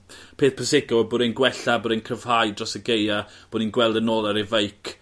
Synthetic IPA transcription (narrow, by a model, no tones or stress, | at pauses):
pʰeːθpʰəsɪɡɔbʊɾenɡwɛɬabʊːɾenkʰəv̥hajdrɔsəɡejab̥ʊninɡwɛlˠdənoːlˠaɾɪvejkʰ